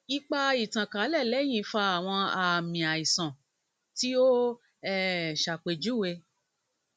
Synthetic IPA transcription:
i˦k͡pa˦i˨tã˨ka˨˦lɛ˦˨lɛ˦j̃ĩ˦˧˦fa˧a˨w̃ɔ̃˧a˨mĩ˨a˨i˨sã˨ | ti˦o˦ | ɛ˦˨ʃa˨k͡pe˨d͡ʒu˨˦˨we˧

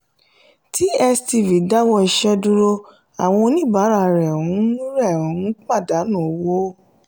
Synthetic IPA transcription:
ti˦ɛ˧sti˧˨vi˨da˦wɔ˧i˧ʃɛ˦du˧ɾo˧ | a˨w̃ɔ̃˧o˧nĩ˦˨ba˨˦ɾa˧ɾɛ˨ũ˨˦nũ˦ɾɛ˦˨ũ˨˦n˦k͡pa˦˨da˨˦nũ˦˨o˨˦wo˦

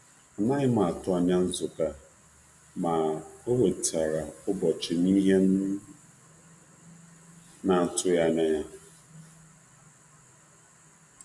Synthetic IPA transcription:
a˨nã˦ɪ˦mã˨tʊ˦a˨ɲ˦ã˦n̩˦zʊ˨ka˦ | mã˨o˦wo˨tʰa˨ɾa˨o˦bɔ˨t͡ʃi˨mĩ˦ɦe˦n˦ | nã˨tʰʊ˦ja˨nɛ̃˨

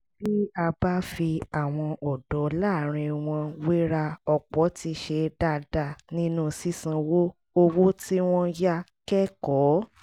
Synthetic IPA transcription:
bi˦a˧ba˦fi˧a˦˨w̃ɔ̃˧ʔɔ˨dɔ˨˦la˦˨ɾ̃ĩ˧w̃ɔ̃˧wi˦ɾa˧ɔ˨k͡pɔ˨˦ti˧ʃe˧da˧˨da˨nĩ˦nũ˦si˦sĩ˧wo˦ | o˧wo˦ti˦w̃ɔ̃˦ja˦kɛ˦kɔ˨˦

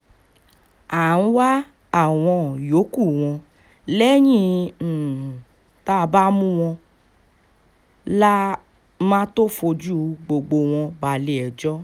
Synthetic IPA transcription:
a˨ñ̩˦wa˦ | a˦˨w̃ɔ̃˧˨jo˨˦ku˦˨w̃ɔ̃˧ | lɛ˦j̃ĩ˦˧˨ | ta˦˧ba˦mũ˦w̃ɔ̃˧ | la˦ | mãː˦to˦fo˧d͡ʒu˦ɡ͡bo˧ɡ͡bo˧w̃ɔ̃˧ba˨le˨ɛ˨d͡ʒɔ˦

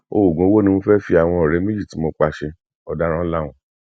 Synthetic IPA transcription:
o˦˨ɡũ˨o˦wo˦nĩ˧˦fɛ˦fi˦a˨w̃ɔ̃˧ɔ˨ɾe˨˦me˦d͡ʒi˦˨ti˨˦mo˧k͡pa˧ʃe˧ | ɔ˧da˦ɾ̃ã˦la˦˨w̃ɔ̃˧

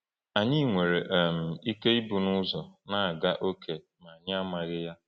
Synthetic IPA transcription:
a˨ɲɪ˦˨ŋʷe˨ɾe˨ʔm̩˨i˦ke˦i˦bu˨nʊ˦zɔ˨na˨a˨ɡa˦ʔo˦kʰe˨ | ma˨a˨ɲɪ˦a˦ma˨ɣɪ˦ja˦

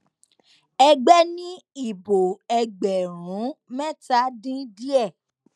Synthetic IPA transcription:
ɛ˧ɡ͡bɛ˦nĩ˦i˦˨bo˨ɛ˧ɡ͡bɛ˨ɾũ˨˦mɛ̃˦˨ta˨˦dĩ˦di˦ɛ˦˨

